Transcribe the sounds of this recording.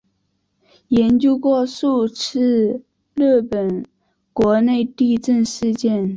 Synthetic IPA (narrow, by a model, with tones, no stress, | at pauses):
jɛ˧˥nt͡ɕjo˥ʊkwɔ˥˧ʂu˥˧ʈ͡ʂʰɻ̩˥˩ | lə˥˩pə˨˩n | kwɔ˧˥ne˥˧ɪt̪i˥˧ʈ͡ʂə˥˧nʂɻ̩˥˧t͡ɕjɛ˥˩n